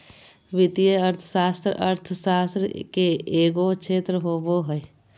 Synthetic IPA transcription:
ʋɪt̪ijeəɾt̪ʰsaːst̪ɾə̰ʔə̰ɾt̪ʰsaːst̪ɾkeeːɡot͡ʃʃʰeːt̪ɾəɦoboɦəe

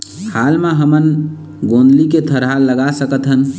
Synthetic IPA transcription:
halmeɦəmən | ɡõnd̪liket̪ʰəɾɦalːəɡasəkət̪ɦən

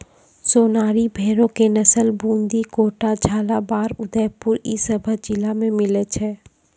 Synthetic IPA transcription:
soːnaːɾibʱeːɾõkenəsəlbũːnd̪ikoːʈad͡ʒʱaːlabaːɾʊd̪əjpʊɾisəbʱəɦd͡ʒɪlamẽmɪlət͡ʃʰɛː

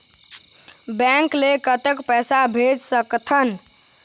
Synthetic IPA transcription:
bɛŋklekət̪ekpɛsabʱed͡ʒsəkt̪ʰən

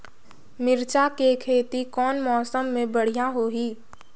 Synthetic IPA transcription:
mɪɾt͡ʃakekʰeːt̪ikɔːnmɔːsəmːẽbəɽ̤ijãɦoːɦiː

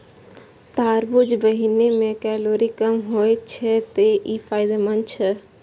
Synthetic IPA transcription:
t̪aːɾbʊd͡ʒbəɦinemẽkɛːloːɾikəmɦoːet͡ʃʰɛt̪eʔifʰaːɪd̪emənt͡ʃʰɛ

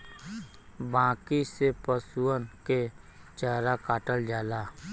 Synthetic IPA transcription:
bãːkisepəsuənke | t͡ʃəɦɾakaːʈəld͡ʒaːlaː

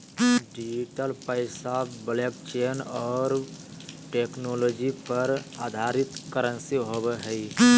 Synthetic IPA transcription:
ɖid͡ʒiʈəlpəɪsablek̚t͡ʃenɔːɾ | ʈeknolod͡ʒipəɾad̪ʱaɾit̪kəɾənsiɦobeɦəi

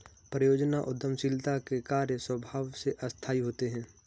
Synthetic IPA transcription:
pɾəjoːd͡ʒnaʔʊd̪ʱːəmsɪlt̪akekaːɾjəswəbʱaːwseʔɐst̪ʰaːiɦoːt̪eɦɛ̃ː

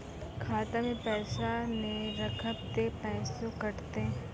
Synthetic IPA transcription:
kʰaːt̪amẽpɛːʃaneɾɐkʰəb̚t̪epɛːsokɐɾt̪eɦ

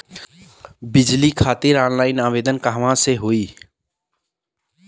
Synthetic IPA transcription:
bid͡ʒlikʰat̪iɾanlaɪnabed̪ənkaɦʋãseɦoi

